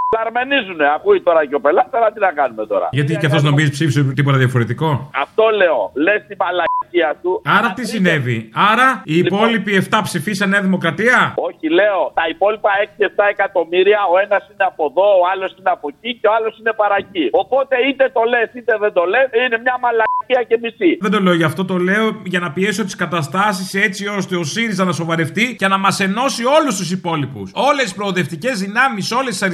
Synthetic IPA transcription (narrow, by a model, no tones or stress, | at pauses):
lɐɾme̞nizune̞ɐkuit̪o̞ɾɐco̞pe̞lɐt̪sɐnɐt̪inɐkɐnume̞t̪o̞̰ɾɐ̰ʝɐt̪icɐθo̞zno̞mizipsifiset̪ip̬oɐðjɐfo̞ɾet̪iko̞ɐft̪o̞le̞o̞lest̪imɐlɐciɐt̪uɐɾɐt̪isine̞viɐɾɐiːpo̞lipie̞ft̪ɐpsifisɐne̞ɐðimo̞kɾɐt̪iɐo̞çile̞o̞t̪ɐipo̞lipɐe̞ksie̞ft̪ɐe̞kɐt̪o̞miɾiɐo̞enɐsine̞ɐpo̞ðo̞ːɐlo̞sineɐpo̞ciceo̞alo̞sine̞pɐɾɐcio̞po̞t̪e̞it̪e̞t̪o̞le̞sit̪eðend̪o̞leine̞mɲɐmɐlɐciɐce̞misiðend̪o̞le̞oʝɐft̪o̞t̪o̞le̞o̞ʝɐnɐpie̞so̞t̪i̥skɐt̪ɐst̪ɐsise̞t͡sio̞st̪e̞o̞siɾizɐnɐso̞vɐɾe̞ft̪icenɐmɐse̞no̞sio̞lust̪usipo̞lipṵso̞lesispɾo̞ːðe̞ft̪ice̞zðinɐmiso̞lesi̥sɐɾ